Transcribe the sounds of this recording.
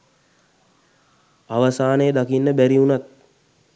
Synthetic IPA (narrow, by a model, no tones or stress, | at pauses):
aʋəsaːnəjəd̪akinːəbæɾiunat̪̚